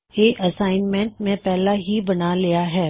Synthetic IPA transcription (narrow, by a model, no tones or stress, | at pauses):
eːʔɐsaːɪnmɛ̃ɳʈmẽpɛɦlaɦibɐnalijaɦɛː